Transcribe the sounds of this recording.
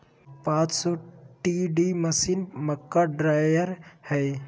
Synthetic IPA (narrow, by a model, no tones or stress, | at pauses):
pãːt͡ʃsoːʈiɖiməsiːnməkːaɖɾaːəɾhɛj